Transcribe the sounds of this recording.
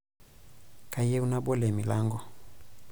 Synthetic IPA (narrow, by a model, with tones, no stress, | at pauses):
ka˨i˦jɛ˦u˦na˦bɔ˦lɛ˨mi˨la˦ŋɡɔ˨